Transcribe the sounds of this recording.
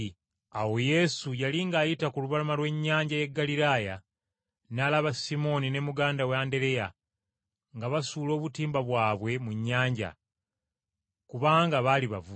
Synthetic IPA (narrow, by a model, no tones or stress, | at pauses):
awo̞je̞sujaliŋɡaːjitakuluβalamalwe̞ɲːaːɲɟaje̞ɡːaliɾaːja | naːlaβasimo̞nine̞muɡaːndaweande̞ɾe̞ja | ŋɡaβasuːlo̞ːβutiːmbaβwaːβwe̞muɲːaːɲɟa̰ | kuβaːŋɡaβaliβavu